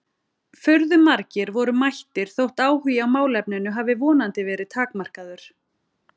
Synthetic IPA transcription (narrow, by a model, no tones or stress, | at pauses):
fœɾðʏmaɾcɪɾvɔɾʏmajht̪ɪɾ̥θowht̪aːwhʏjawmaːwlɛpnɪnʏɦaːvɪvɔːnant̪ɪvɛːɾɪðt̪ʰaːkmar̥kaðʏɾ̥